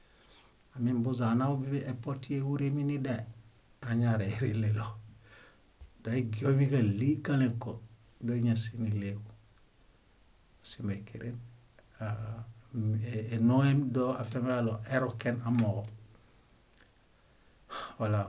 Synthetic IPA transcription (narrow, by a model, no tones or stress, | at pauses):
amimbuzanawobibiepotiewuɾeminida | aɲaɾeɾilelo | doeɡijomikalikaleŋko | doɲasinileɡu | simekiɾʔen | a | eenoemdoafemaloʔeɾokenamoɡo | wala